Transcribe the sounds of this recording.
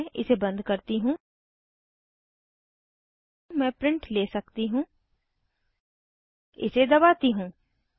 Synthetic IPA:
ʔɪsebɐ̃nd̪kɐɾt̪iɦũː | mɛ̃ːpɾɪ̃ɳʈleːsɐkt̪iɦũː | ɪ̰sed̪ɐβaːt̪iɦũː

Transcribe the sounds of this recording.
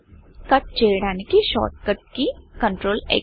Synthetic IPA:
kɐʈ̚t͡ʃeːɽãnkiʃɔ̰ːʈ̪̚kəʈ̚kikəɳʈɾoːlḛː

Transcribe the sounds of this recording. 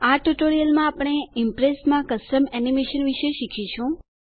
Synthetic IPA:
aʈuʈoɾijəlmãːpɳ̃eɪmpɾesmãkəsʈəmɛnimeʃənʋiʃeʃikʰiʃũ

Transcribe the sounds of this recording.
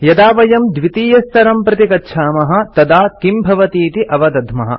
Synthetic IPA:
jɐd̪aːʋɐjɐmd̪ʋit̪iːjɐst̪ʰɐɾɐmpɾɐt̪ikɐtːʃʰaːmɐɦɐ̆t̪ɐd̪aːkimbʱɐʋɐt̪iːt̪iʔɐʋɐd̪ɐd̪ʱmɐɦɐ̰

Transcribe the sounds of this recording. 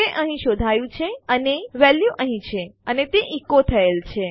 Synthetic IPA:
eʔəɦĩʃod̪ʱajũt͡ʃʰeəneʋɛljuʔəɦĩt͡ʃʰeənet̪eʔikot̪ʰəelt͡ʃʰe

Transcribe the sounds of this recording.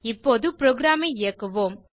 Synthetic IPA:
ɪpːoːðɯpɪɾoːɡɾaːmɐɪɪjɐkːɐʋoːm

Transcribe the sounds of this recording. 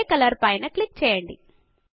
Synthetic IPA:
kɐlɐɾpɐjnɐklik̚t͡ʃɛːjɐɳɖḭ

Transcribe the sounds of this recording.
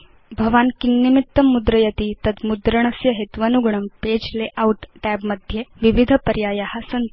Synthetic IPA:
bʱɐʋankinːimit̪ːɐmːud̪ɾəjɐt̪it̪ɐd̪mud̪ɾəɳɐsjɐɦet̪ʋɐnuɡɳɐmped͡ʒleʔawʈʈæbmɐd̪ʱjeʋiʋid̪ʱəpɐɾjajahasɐn

